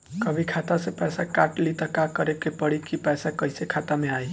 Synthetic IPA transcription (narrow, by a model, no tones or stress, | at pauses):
kəbʱikʰat̪asẽpɛːsakaʈlit̪əkakəɾekepəɽikipɛsakəjsekʰat̪ameaj